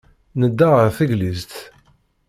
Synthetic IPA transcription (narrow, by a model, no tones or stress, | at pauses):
nəd̪ːaʁəʁθəʝlizt̪